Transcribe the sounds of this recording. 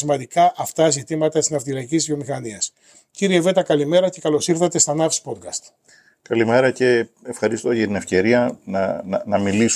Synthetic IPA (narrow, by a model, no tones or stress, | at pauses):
imɐnd̪ikɐʔɐft̪ɐzit̪imɐt̪ɐt̪i̥sznɐft̪iɾɐicizvio̞mixɐniɐs | ciɾieve̞t̪ɐkɐlime̞ɾɐce̞kɐlo̞siɾθɐt̪e̞st̪ɐnɐfspo̞t̪kɐst̪ | kɐlime̞ɾɐce̞ː | fxɐɾist̪o̞ʝɐt̪ine̞fce̞ɾiɐnɐnɐmilis